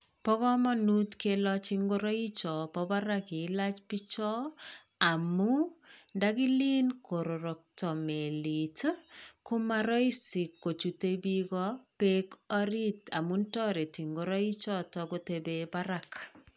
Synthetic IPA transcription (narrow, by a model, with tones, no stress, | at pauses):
pɔ˦kɔ˦mɔ˦nu˦tkelɔ˦t͡ʃiŋɡoɾɔ˦i˦t͡ʃɔ˨pɔbaɾaki˨lat͡ʃpi˦t͡ʃɔ˦ | a˨mu | ndaki˦li˦nko˨ɾo˨ɾo˨k̚tɔ˨meli˨tkʊ˦maɾɔ˦i˦si˨kːo˨t͡ʃu˨tebikɔpekɔ˦ɾi˦ta˨mu˦ntɔ˦ɾe˨ti˨ŋɡo˦ɾɔ˦i˦t͡ʃɔ˦tɔkotebebaɾak